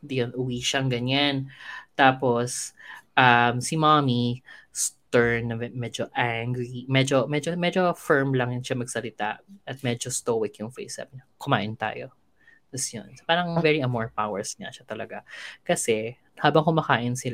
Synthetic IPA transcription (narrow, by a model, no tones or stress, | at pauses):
d̪ɪjonʔʊwiːʃɐŋɡɐɲant̪aːposʔɐmsimamist̪ɛɹnːɐmɛd͡ʒoʔaŋɡɹimɛd͡ʒomɛd͡ʒomɛd͡ʒo̞fɛɹmlɐŋjʃamɐɡ̚sɐlɪt̪a̰ʔɐt̪̚mɛd͡ʒost̪oːwɪkjʊŋfḛsa̰bɲɐkʊma̰ːʔɪnt̪a̰ːjo̰ | d̪ɐsjo̰nspaːɾɐŋvɛɹiɐmɔɹpawɛɹsɲɐ̰ʃat̪ɐlɐɡakɐsɛ | haːbɐŋkʊmaːkaːʔɪnsɪl